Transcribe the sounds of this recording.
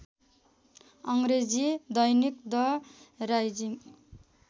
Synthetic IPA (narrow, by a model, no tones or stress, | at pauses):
ʌŋɾed͡zid̪ʌjnikd̪ʌɾajd͡zi